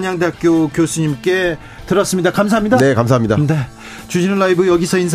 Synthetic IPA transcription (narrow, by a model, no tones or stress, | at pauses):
ɲaŋdeɦak̚k͈jokjosʰuɲimk͈e̞ | tɯɾʌs͈ɯmɲidakams̬ʰaɦamɲidanekamsʰaɦmɲidane̞ | t͡ɕud͡ʑinɯɭːaibɯjʌɡisʰʌinsʰ